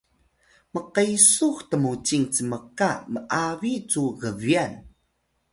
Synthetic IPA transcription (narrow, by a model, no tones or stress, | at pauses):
məqəjsuxtəmut͡siŋt͡səməkaməʔavit͡suɣəvian